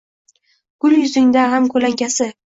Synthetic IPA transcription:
ɡ̥ʊljʊzɪŋd̪aɦamkʰɵlaŋɡʲasɪ

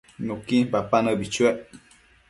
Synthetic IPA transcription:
nukipapanəbit͡ʃueʔ

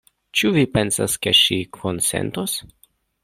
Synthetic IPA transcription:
t͡ʃuvipensa̰skeʃikʰonsḛnt̪os

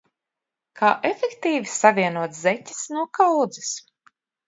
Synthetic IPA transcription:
kʰaːʔefekt̪iːvisavʲiɛnuɔt̪zɛtʲi̥snuɔkawd̪zis

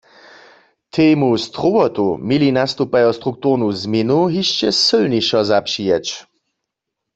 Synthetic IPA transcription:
t̪ʰeːmust̪ʁuwɔt̪umilinast̪upajɔst̪ʁuk̚t̪uʁnuzminuɦiʃt͡ʃɛsɨlniʃɔzapʃijɛt͡ʃ

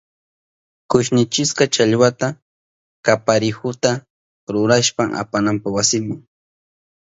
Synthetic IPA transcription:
kʊʃnɪt͡ʃɪskat͡ʃaʎwat̪a | kapaɾɪhʊt̪a | ɾʊɾaʃpamʔa̰panampawasɪmɪŋ

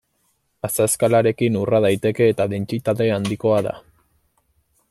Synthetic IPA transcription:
asaskalaɾe̞kinurað̞ajt̪e̞ke̞ːt̪aðe̞nt͡ʃit̪aðe̞and̪iko̞aða̰

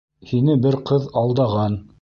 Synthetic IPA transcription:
hinɘbɘɾqɤðɑlˠd̪ɑʁɑn

